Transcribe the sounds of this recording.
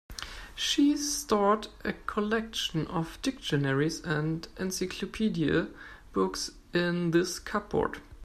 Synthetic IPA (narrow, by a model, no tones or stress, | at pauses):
ʃistɑɹtʔɨkʰɔlɛkʃə̃n̩ɔvd̥ɪk̚ʃɨnɛɹisæ̃ndʔɛ̃nsaɪkʰlopʰidiə̰ | b̥ʊks | ɪ̃nðɪskʰap̚bɔ̰ɹd̥